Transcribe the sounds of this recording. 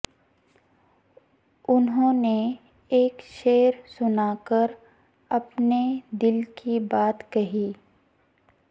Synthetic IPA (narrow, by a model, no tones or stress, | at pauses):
ʊnɦõːne | eːkʃeːəɾsʊnaːkəɾ | ɐpned̪ɪlkibaːt̪kɐɦiː